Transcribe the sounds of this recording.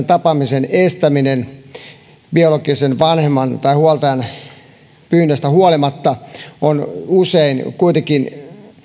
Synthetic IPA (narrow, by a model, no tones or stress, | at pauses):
nt̪ɑpɑmisenest̪æminen | biolokisenʋɑnhemːˑɑnt̪ɑihuɑlt̪ɑjɑn | pyːnːest̪æhuɑlimɑt̪ːɑonuseinkuit̪ekin